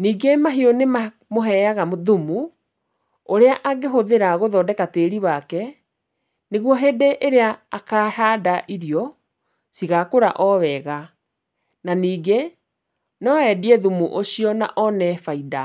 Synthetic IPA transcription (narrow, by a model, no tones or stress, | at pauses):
niːɡemaɦeonema | moɦɛjaɣamoðumu | oɾeaʔaɡeɦoðeɾaɣoðɔːdɛkateɾiwakɛ | neɣwɔɦedeʔeɾeaːkaːhaːdaʔiɾijɔ | siɣakoɾa̰ʔɔwɛɣa | naniːɡe | nɔɛdiɛðumuʔoɕiɔna̰ʔɔnɛfaida